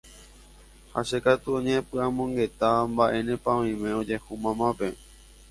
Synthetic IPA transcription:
haʃekat̪uõɲẽpɨãmõ̞ŋɡe̞t̪ambaʔẽ̞nẽpãʋĩmẽod͡ʒe̞humãmãpe̞

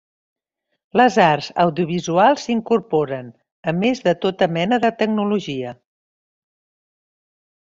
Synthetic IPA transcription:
ləzarzəwðiuβ̞izualˠzsiŋkuɾpɔoɾən | əmezðət̪ot̪əmɛnəðət̪əɡ̚nuluʒiə

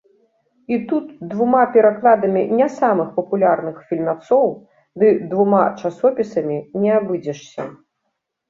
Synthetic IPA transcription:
it̪ut̪d̪vumapʲɛɾaklˠad̪ɐmʲinʲasamɨxpɐpulʲarnɨxfʲilʲmat̪sɔw | d̪ɨd̪vumat͡ʂasɔpʲisɐmʲinʲɛabɨd͡zʲɛʂsʲɐ

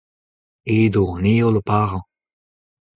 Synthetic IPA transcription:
eːd̪oneːoləpaʁɑ̃

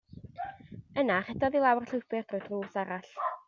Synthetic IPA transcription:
ənaχɛdɔðilˠawrɬəwpɪrd̥rʊjdruːsaɾaɬ

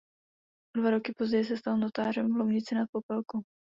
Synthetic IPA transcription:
ʔodvaɾo̞kɪpo̞zɟɛjɪs̬ɛst̪alno̞t̪aːr̝ɛmvlowɲɪt͡sɪnat̪̚po̞pɛlko

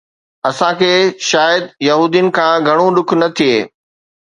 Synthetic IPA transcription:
ɐsãkʰeːʃaːjəd̪jɐɦuːd̪ijʊnɪ̆kʰãːɡʱɐɽ̃ũɗʊkʰnɐt̪ʰieː

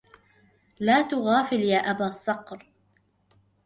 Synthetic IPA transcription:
laːt̪ʊɣaːfɪljaːʔabaːsˤːɑqɾ

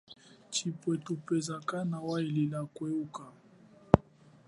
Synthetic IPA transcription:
t͡ʃipwɛtupɛzakanawaililakwɛuka

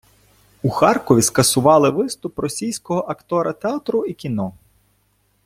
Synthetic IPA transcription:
uxɑrkɔʋʲiskɐsʊʋɑlˠɪʋɪst̪ʊprɔsʲijsʲkɔɦɔʔɐkt̪ɔɾɐt̪eat̪ɾʊikʲinɔ

